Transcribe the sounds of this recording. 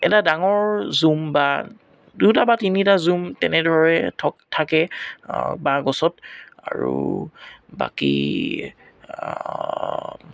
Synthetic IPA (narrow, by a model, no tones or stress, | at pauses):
ɛ̰tadaŋɔɹzumba | dutabatinitazumtɛnɛdɔɹɛtʰɔtʰakɛ̰ | baɡɔsɔt̚a̰ɹṵ | ba̰kḭ